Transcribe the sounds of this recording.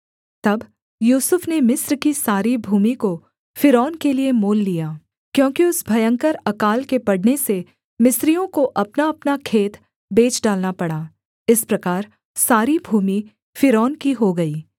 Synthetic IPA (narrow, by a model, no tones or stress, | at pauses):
t̪ɐb | juːsʊfnemɪsɾkisaːɾibʱuːmiko | fɪɾɔːnkeliemoːlːijaː | kjõːkiʊsbʱɐjə̃ŋkəɾɐkaːlkepɐɽnese | mɪsɾijõkoʔɐpnaɐpnakʰeːt̪ | beːt͡ʃɖaːlnapɐɽaː | ɪspɾɐkaːɾ | saːɾibʱuːmi | fɪɾɔːnkiɦoɡɐiː